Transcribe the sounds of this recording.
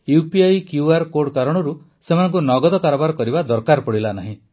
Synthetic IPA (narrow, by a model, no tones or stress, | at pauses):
jupiajkjuaɾkoɾɖkaɾɔɽ̃ɔɾu | semanɔŋkunɔɡɔd̪ɔkaɾɔbaɾɔkɔɾibad̪ɔɾkaɾpɔɽilanaɦĩ